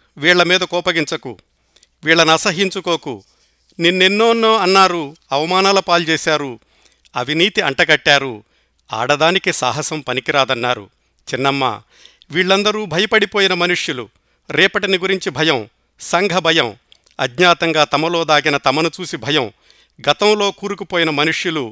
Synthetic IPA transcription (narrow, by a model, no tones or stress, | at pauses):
ʋiːɭːɐmiːd̪ɐkɔːpɐɡiɲt͡ʃɐkṵ | ʋiːɭːɐnɐsɐɦiɲt͡ʃukoːkṵ | ninːenːoːnːoːɐnːaːɾuɐʋɐmaːnaːlɐpaːlt͡ʃɛːsaːɾu | ɐʋʱiniːt̪iɐɳʈɐɡɐʈːaːɾu | a̰ːɽɐd̪aːnikisa̰ːɦɐsɐmpɐnikiɾaːd̪ɐnːaːɾṵ | t͡ʃinːɐmːa̰ː | ʋiːɭːɐnd̪ɐɾuːbʱɐjɐpɐɽipoːjinɐmɐnuʂjulu | ɾɛːpɐʈiniɡuɾiɲt͡ʃibʱɐjɐm | sɐŋɡʱɐbʱɐjɐm | ɐ̰d̪ɲaːt̪ɐŋɡaːt̪ɐmɐlo̞ːd̪aːɡinɐt̪ɐmɐnut͡ʃuːsibʱɐjɐm | ɡɐt̪ɐmlo̞ːkuːɾukupoːjinɐmɐnuʂjulu